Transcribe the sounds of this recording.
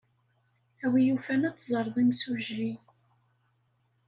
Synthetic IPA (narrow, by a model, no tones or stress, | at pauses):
æwijufænæt͡sːzˤəɾˤðˤimsuʒiθ